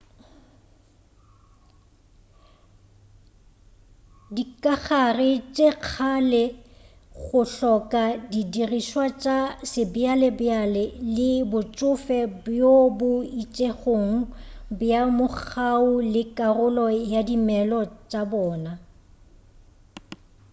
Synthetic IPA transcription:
dikʼaɣarɪt͡ʃʼeq͡χʰalɛ | ɣʊɬɔkʼadidiriʃwat͡ʃʼasɪbɪalɛbɪalɛlɪbʊt͡ʃʼʊfɛbjobʊit͡ʃʼeχoːŋ̩bjamʊk͡xaʊlɪkʼarʊlɔjadimɛlɔt͡ʃʼabɔːna

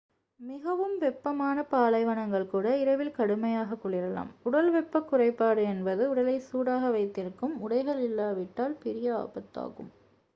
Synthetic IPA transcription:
mɪɣɐʋɯmʋɛpːɐmaːnɐpaːlɐɪʋɐnɐŋɡɐɭkuːɽɐɪɾɐʋɪlkɐɽɯmɐjaːɣɐkːʊɭɪɾɐla̰ːmʊɽɐlʋɛpːɐkːʊrɐɪpːaːɽɯɛnbɐðɯʊɽɐlɐɪsuːɽaːɣɐʋɐɪt̪ːɪɾɯkːɯmʊɽɐɪɣɐɭɪlːaːʋɪʈːaːlpɪɾɪjɐa̰ːbɐt̪ːa̰ːɣɯ̰m

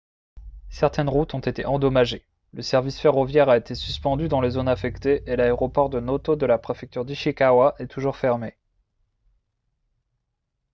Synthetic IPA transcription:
sɛʁt̪ɛnʁut̪ɔ̃t̪et̪eʔɑ̃d̪ɔmaʒe | ləsɛʁvisfeʁɔvjɛʁaet̪esy̥spɑ̃d̪yd̪ɑ̃lezonafɛkt̪eʔelaeʁɔpɔʁd̪ənot̪od̪əlapχefɛk̚t̪yʁd̪yʃikawaʔɛt̪ʰuʒuʁfɛʁme

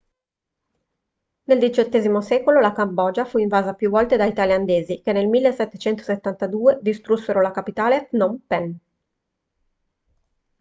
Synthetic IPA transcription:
neld̪it͡ʃot̪ːeːzimosɛkololakambɔd͡ʒafuiɱvaːzapjuvɔlt̪ed̪ait̪aljand̪eːzikenːelmilːesːɛt̪ːet͡ʃɛnt̪o̥set̪ːant̪ad̪uːed̪ist̪ɾusːeɾolakapit̪aːlet̪nompɛn

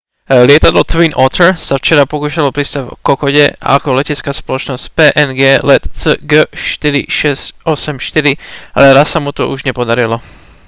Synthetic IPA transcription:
lɪɛt̪ad̪lɔt̪vinʔɔt̪ɛɾsaft͡ʃɛɾapɔkuːʃalɔpɾist̪avɔ̰kɔkɔɟɛa̰kɔlɛcɛt͡skaːspɔlɔt͡ʃnɔscpɛːʔɛnɡɛːlɛt̪t͡səɡəʃt̪iɾḭʃɛscʔɔsɛmʃt̪iɾia̰lɛɾassamut̪ɔʔuʒɲɛpɔd̪aɾilɔ

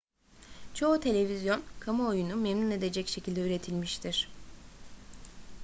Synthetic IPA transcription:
t͡ʃʰo̞ut̪ʰe̞lʲe̞vizjo̞nkʰamaojunumemnune̞d̪e̞d͡ʒɛcʃe̞cʰilʲd̪ɛyɾe̞t̪ʰilʲmiʃt̪ʰiɾ̥

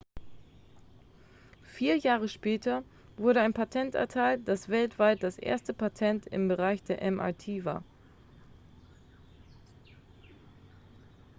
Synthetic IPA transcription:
fiːɐjaːʁ̞əʃpɛːtʰɐ | vʊɐɾəaɪnpʰatʰɛntɛ̰ɐtʰaɪltd̥asv̥ɛltv̥aɪt̚d̥asʔḛːɐstəpatʰɛntɪ̰mbəʁaɪçd̥eːɐʔɛmʔa̰ːtʰiːva̰ːɐ

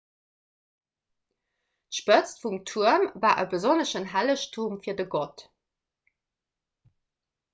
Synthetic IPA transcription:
tʃpət͡stfumtʰuɐmvaːʔəbəzonəʃənɦæləʃtʰuɐmfiːɐdəɡɔt

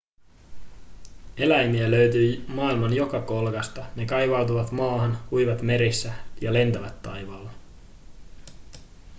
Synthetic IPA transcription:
e̞læjmiæløɥt̪yːmɑːilmɑnjo̞kɑko̞lkɑst̪ɑne̞kɑjʋɑwt̪uʋɑt̪mɑːɦɑnhujʋɑt̪me̞ɾisːæjɑle̞nt̪æʋæt̪ːɑjʋɑːlːɑ

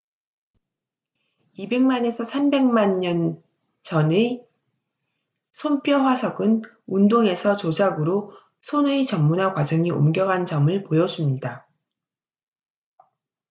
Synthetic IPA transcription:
ibe̞ŋmane̞sʰʌsʰambe̞ŋmaɲːʌn | t͡ɕʌne | sʰonp͈jʌɸwasʰʌɡɯn | undoŋe̞sʰʌt͡ɕod͡ʑʰaɡɯɾo | sʰonɯet͡ɕʌŋmunakwad͡ʑʌŋio̰mɡjʌɡɦand͡ʑʌmɯɭpojʌd͡ʑumɲida

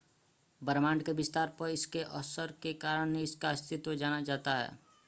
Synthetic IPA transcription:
bəɾmaːɳɖkebɪst̪aːɾpəɾɪskeʔɔsəɾkekaːɾəɽ̃neɪskast̪ʰɪt̪wəd͡ʒaːnad͡ʒaːt̪aɦɛ̰ː

